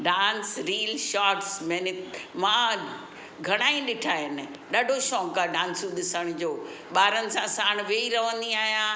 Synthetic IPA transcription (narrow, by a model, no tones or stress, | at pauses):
ɖãːnsɾiːlʃaːʈsmɛnɪtmã | ɡʱɐɽ̃aːĩɗɪʈʰaːɪnɪ | ɗaːɖʱoʃɔːkaɖãːnsũɗɪsəɽ̃d͡ʑoː | ɓaːɾənɪ̆sãsaːɽ̃ʋeːiɾɐʋə̃nd̪iaːɦijã